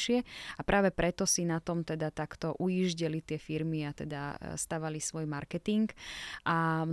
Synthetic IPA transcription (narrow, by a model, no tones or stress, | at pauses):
ʃɪɛapɾʔaːʋɛpɾɛt̪ɔsinat̪ɔmt̪ɛd̪at̪akt̪ɔʔuiʒɟɛlit̪ɪɛfiɾmiat̪ɛ̰d̪a̰st̪aːʋalisʋɔjmaɾkɛt̪iŋkʔam